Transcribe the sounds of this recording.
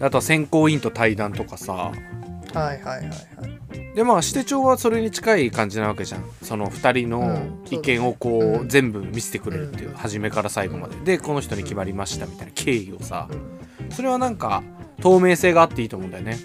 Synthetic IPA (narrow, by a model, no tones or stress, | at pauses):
d̪eat̪o̞sẽ̞ŋko̞ːĩnt̪o̞t̪aid̪ãnt̪o̞kasa̰ | hahaj | a | d̪e̞maːɕi̥t̪e̞t͡ɕo̞ːβaso̞ɾe̞ɲ̟it͡ɕi̥kaikãɲ̟d͡ʑinaβ̞ake̞ʑã̰ŋ̃so̞no̞ɸɯ̥t̪aɾʲino̞ikẽ̞ɰ̃o̞ko̞ːzẽ̞mbɯ̟mʲise̞̥t̪e̞kɯ̟ɾe̞ɾɯ̟t̪ːejɯ̟̰haʑime̞kaɾasaiboma̰d̪e̞d̪e̞ko̞no̞çi̥t̪o̞ɲ̟ikʲimaɾʲimaɕi̥t̪amʲit̪ainakʰe̞ːio̞̰sa̰ | so̞ɾe̞β̞anãŋka̰t̪o̞ːme̞ːseːɡaːt̪ːe̞iːt̪o̞ːmõːnd̪ajone